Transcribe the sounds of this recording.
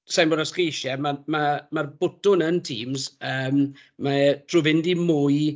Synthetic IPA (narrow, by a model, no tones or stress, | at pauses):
sajnbɔɾaskejʃɛmamamarbʊdʊnəntʰḭːmzəːm | mad̥ʰruvɪndimuːɨ